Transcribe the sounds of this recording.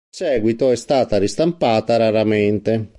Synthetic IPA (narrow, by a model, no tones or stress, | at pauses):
sɛːɡwit̪oɛst̪aːt̪aɾist̪ampaːt̪aɾaɾamɛnt̪e